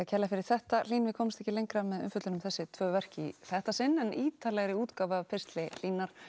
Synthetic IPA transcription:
acʰɛlːafɪɾɪɾ̥θɛht̪al̥iːnvɪkʰɔːmst̪ɛhcɪlejŋkɾamɛðʏ̰mfʏt̪lɪnʏmθɛsːɪt̪ʰv̥œːvɛr̥cɪḭθɛht̪asɪnːɛniːt̪ʰaːlɛɣɾɪuːt̪kawvaðpʰɪr̥st̪lɪl̥iːnaɾ̥

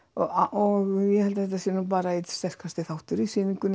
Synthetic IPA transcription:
ɔʔɔɣjɛhɛlt̪aθɛht̪ːasiːnup̬aːɾaist̪ɛr̥kast̪ɪθawht̪ʏɾisiːniŋkʏn

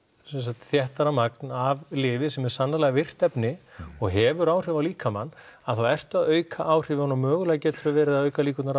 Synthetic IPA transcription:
sɛns̬at̪θjɛht̪aɾamaknavlɪːvɪsɛmɛɾ̥sanːalɛɣavɪr̥t̪ɛpnɪɔɣɦɛvʏɾaːwr̥ɪvawliːkama̰nːaðθawɛr̥t̪ʏaðœːɥkʰaʔaːwr̥ɪːvɪɔnamœːɣʏlɛɣacɛːt̪ʏɾavɛːɾɪðaðœːɥkaliːkʏt̪naɾ

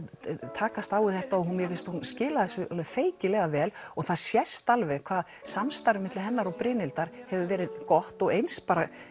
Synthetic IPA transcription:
t̪ʰaːkast̪aːwɪθɛht̪aɔɣɦunmjɛfɪlst̪hunscɪːlaðɛsʏlfeːjcɪlɛɣavɛːlɔɣθaðsjɛst̪alvɛɣkʰvaːð | samst̪aɾvɪmɪt̪lɪɦɛnːaɾɔpɾɪːnɪlt̪aɾ̥hɛvʏvɛːɾɪðkɔht̪ɔɣejnspaːɾa

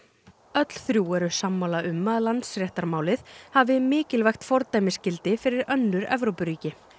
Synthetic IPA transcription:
œt̪l̥θɾjuːɛɾʏ̥samːaːwlaʏmːaðlant̪sɾjɛht̪aɾmaːwlɪθhavɪmɪːcɪlvɛjxt̪fɔɾt̪ajmɪscɪlt̪ɪfɪɾɪɾœnːʏɾɛ̰vɾowpʏɾiːcɪ

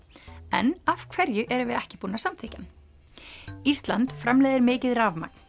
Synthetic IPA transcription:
ɛ̰nav̥kʰvɛɾjʏʔɛɾʏvɪðɛhcɪpuːnasamθʰɪːcan | ist̪lant̪fɾamlɛːðɪɾmɪːcɪðraːvma̰k̚n̥

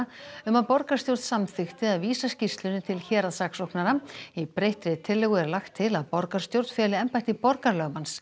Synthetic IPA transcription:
ʏmaðpɔɾkaɾ̥st̪jowɾt̪samθʏxt̪ɪaðviːsascist̪lʏnɪt̪ʰɪlçɛːɾaðsaksɔhknaɾaipɾejht̪ɾɪt̪ʰɪlːɪɣʏɛɾlaxt̪ʰːɪlaðpɔɾkaɾ̥st̪jowɾt̪fɛːlɪɛmpajht̪ɪpɔɾkaɾlœːɣmans

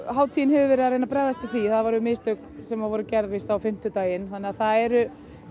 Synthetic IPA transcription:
ɦaːwt̪ʰijɪnhɛvʏvɛɾɪðaɾejnapɾaːjðast̪ɪθiθaðvaɾʏmeːst̪œk | sɛmavɔɾʏcɛɾðvɪst̪awfɪm̥t̪ʏt̪aːjɪnθanːɛaθaðɛɾʏ

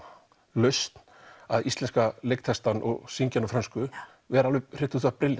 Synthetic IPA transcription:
lœɥst̪n̥aðist̪lɛnskalejk̚t̪ʰɛst̪anʔɔ̰ɣsiɲcanɔfɾœnskʏ | vɛɾalvʏr̥ɪht̪ʏθʏapɾɪlɪ

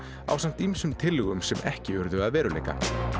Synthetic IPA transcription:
a̰wsan̥t̪imsʏmt̪ʰɪlɣʏmsɛmʔɛ̰hcɪʏɾðʏaðvɛːɾʏlḛjka̰

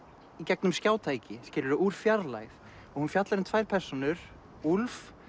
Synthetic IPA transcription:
icɛk̚nʏmscaːwt̪ʰaːjcɪscɪːlʏɾʏʔuɾ̥fjaɾla̰jθ | ɔɣhunfjat̪laɾɪnt̪ʰvaːjɾ̥pʰɛr̥sɔnʏɾ̥ | ulf

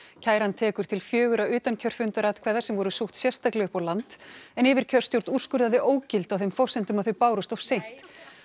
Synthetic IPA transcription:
cʰaːjɾant̪ʰɛːkʏɾ̥t̪ʰɪlfjœːɣʏɾaʏːt̪ancʰœr̥fʏnt̪aɾaːt̪kʰvɛːðḁsɛmvɔɾʏsuxht̪sjɛr̥st̪aklɛɣʏhpawlant̪ɛnɪvɪɾ̥cʰœr̥st̪jowɾt̪nur̥skʏɾðaðɪʔoːwcɪlt̪awθejmfɔwr̥sɛnt̪ʏmaðθʏɥpaːwɾʏst̪ɔv̥sejn̥t̪

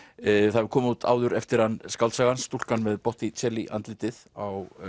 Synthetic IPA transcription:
θaðvʏɾ̥kʰɔːmaut̪ʰa̰ːwðʏɾɛft̪ɪɾ̥hanskawlt̪saɣansːt̪ul̥kanvɪðpɔht̪it͡sʰɛliʔa̰nt̪lɪt̪ɪðaw

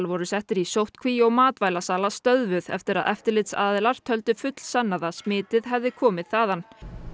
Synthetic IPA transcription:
lvɔɾʏsɛht̪ɪɾisowht̪kʰviɔɣmaːt̪vaːjlasaːlast̪œðvʏðɛ̰ft̪ɪɾa̰ðʔɛft̪ɪɾlɪt̪saːðɪlaɾ̥t̪ʰœlt̪ʏfʏt̪l̥sanːaðasmɪːt̪ɪðɦɛvðɪkʰɔːmɪðθaːðan

